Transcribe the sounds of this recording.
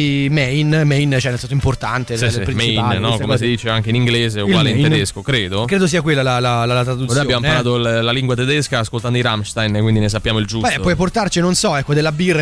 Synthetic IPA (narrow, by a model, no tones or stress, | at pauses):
imɛjnmɛjnt͡ʃɛnːelsɛns̬oimport̪ant̪eipɾimt͡ʃijpannɔkomes̬id̪iːt͡ʃeaŋk̟einiŋɡleːzeoɡaleined̪eskokɾeːd̪okɾeːd̪os̬iːakwelːalalalalat̪ɾad̪ut̪nsːoːjaobjamonpaɾlaːt̪ollaliŋɡwat̪ed̪ɛskaːskolt̪and̪oiɾamʃt̪ajnkːwind̪ines̬apːjaːmoild͡ʒuɛwɔjp̬ort̪art͡ʃinonsɔɛkːod̪elːabirːa